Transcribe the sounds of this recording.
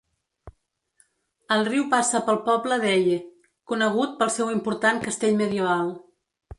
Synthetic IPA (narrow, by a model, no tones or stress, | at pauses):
əlˠriwpasəpəlˠpɔbləðɛʎe | kunəɣ̞ut̪̚pəlˠsɛwimpuɾt̪aŋkəst̪eʎməðiəβ̞alˠ